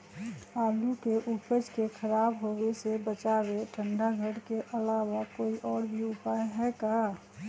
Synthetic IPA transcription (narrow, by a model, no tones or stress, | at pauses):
aːlukeʔupəd͡ʒkekʰəɾaːbɦowesebət͡ʃaweʈʰə̃ɳɖaɡʱəɽkeʔəlawakoːiʔɔːɾbʱiʊpaːjɦɛka